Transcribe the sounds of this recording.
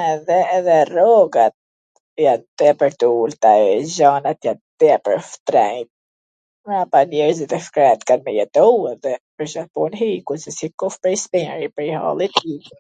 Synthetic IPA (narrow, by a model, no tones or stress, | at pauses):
ɛðɛːðɛrɔɡat̪̚ | jat̪d̪̥ɛpəɾt̪əult̪aɛzanat̪jat̪d̪̥ɛpəɾft̪ɾɛjt̪̚ | mapanjɛɾzit̪ɛfkɾɛt̪kanmɛjɛt̪ɔwɛðɛpəɾʃapɔnɦikusɛsikɔfpɾispɛɾipəɾiha̰lˠit̪ik